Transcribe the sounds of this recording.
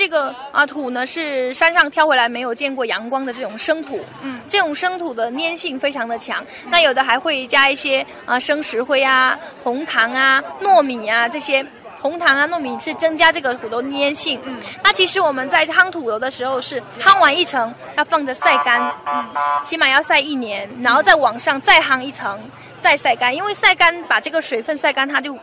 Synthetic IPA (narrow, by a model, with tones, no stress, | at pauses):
ʈ͡ʂɤ˥˩ɡə˩ə˧t̪ʰu˨˩nə˦ʂɻ̩˥˩ʂa˥nʂɑ˥˩ŋt̪ʰjʊxwe˧˥ɪa˧˥ɪme˧˥ɪjo˨˩ʊt͡ɕjɛ˥˧nkwɔ˥˩jɑ˧˥ŋkwɑ˥ŋd̪ə˨ʈ͡ʂɤ˥˩ʈ͡ʂʊ˨˩ŋʂɤ˥ŋt̪ʰu˨˩˦ | ʈ͡ʂɤ˥˩ʈ͡ʂʊ˨˩ŋʂɤ˥ŋt̪ʰu˨˩d̪ə˦njɛ˥˧nɕi˥˩ŋfe˥ɪʈ͡ʂʰɑ˧˥ŋd̪ə˨t͡ɕʰjɑ̰˧˥ŋ | na˥˩jo˨˩ʊd̪ə˦˥xa˧˥ɪxwe˥˩ɪt͡ɕja˥i˥˩ɕjɛ˥ | ə˧ʂɤ˥ŋʂɻ̩˧˥xwe˥˩ɪa˩xʊ˧˥ŋt̪ʰɑ˧˥ŋa˧nwɔ˥˩mi˨˩nɐ˦ʈ͡ʂɤ˥˩ɕjɛ˥ | xʊ˧˥ŋt̪ʰɑ˧˥ŋa˧nwɔ˥˩mi˨˩nʂɻ̩˥˩t͡sɤ˥ŋt͡ɕja˥ʈ͡ʂɤ˥˩ɡə˩t̪ʰu˨˩o˧˥ʊd̪əni˥jɛ˥˧nɕi˥˩ŋna˥˩t͡ɕʰi˧˥ʂɻ̩˧˥wɔ˨˩mə˦nt͡sa˥˩ɪxɑ˥ŋt̪ʰu˨˩t̪o˧˥ʊd̪ə˧ʂɻ̩˧˥xo˥˧ʊʂɻ̩˥˩ | xɑ˥ŋwa˧˥ni˥˩ʈ͡ʂʰɤ˧˥ŋ | jɑ˥˧ʊfɑ˥˧ŋʈ͡ʂə˨˩sa˥˩ɪka˥n̩˥˩ | t͡ɕʰi˧˥ma˨˩jɑ˥˧ʊsa˥˧ɪi˥˩njɛ˧˥nɻa˧˥nxo˥˧ʊt͡sa˥˩ɪwɑ˨˩ŋʂɑ˥˧ŋt͡sa˥˧ɪxɑ˥ŋi˥˩ʈ͡ʂʰɤ˧˥ŋ | t͡sa˥˧ɪsa˥˩ɪka˥ni˥nwe˥˧ɪsa˥˩ɪka˥npa˨˩ʈ͡ʂɤ˥˩ɡə˩ʂwe˨˩ɪfə˥˧nsa˥˩ɪka˥nt̪ʰa˥t͡ɕjo˥˩ʊ